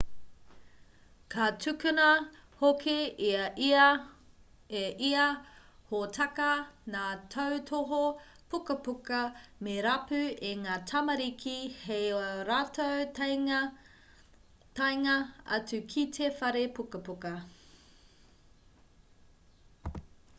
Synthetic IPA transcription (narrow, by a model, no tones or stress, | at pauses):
kʰɐtʰʉkunɐ | hokʰi | eʔiɐ | hotʰɐkɐnaːtʰowtʰoɦo | pʰukɐpukɐmeɾɐpʉeŋaːtʰɐmɐɾikʰihejoɾatʰowt | tɐjŋɐɐ̰t͡sʉkʰitʰefɐɾepukɐpukɐ